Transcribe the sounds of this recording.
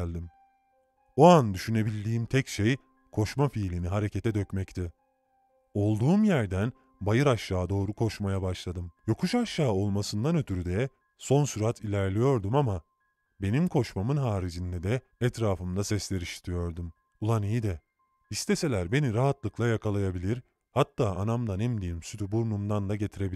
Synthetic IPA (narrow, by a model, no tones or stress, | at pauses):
lʲd̪im | oand̪yʃyne̞bilʲd̪iːmt̪ʰɛcʃej | kʰo̞ʃmafiːlʲiniɦaɾe̞ce̞t̪ʰɛd̪ø̞cmɛct̪ʰɛ | o̞lˠd̪uːmjæɾd̪æn | bajɯɾaʃːaːd̪o̞ːɾukʰo̞ʃmajabaʃlˠad̪ɯmjo̞kʰuʃaʃːaːo̞lˠmasɯnd̪anø̞t̪ʰyɾyd̪ɛ | so̞nsyɾat̪ʰilʲæɾlʲijo̞ɾd̪umama | be̞nimkʰo̞ʃmamɯnɦaːɾid͡ʒind̪ɛd̪ɛː | t̪ɾaːfɯmd̪asɛslʲeɾiʃi̥t̪ʰijo̞ɾd̪um | ulˠanijid̪ɛ | ist̪ʰese̞lʲæɾbe̞niɾaɦat̪lˠɯklˠajakʰalˠajabilʲiɾ | hat̪ʰːaːʔanamd̪anɛmd̪ijimsyt̪ʰybuɾnumd̪and̪aɟe̞t̪ʰiɾe̞bi